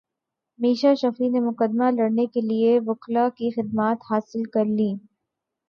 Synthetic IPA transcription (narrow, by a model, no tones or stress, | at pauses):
miːʃaʃɐfinemʊkəd̪malɐɽnekelieʋʊqlakixɪd̪̚maːt̪haːsɪlkɐɾliː